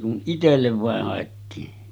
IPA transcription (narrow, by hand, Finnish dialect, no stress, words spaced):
kun itelːeʋ ʋɑˑeh hɑˑetːiːn